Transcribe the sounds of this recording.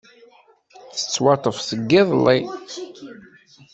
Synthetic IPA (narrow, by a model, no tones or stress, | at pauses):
θə̥t͡sːwɑt̪ˤəfsəɡːɪðˤlːi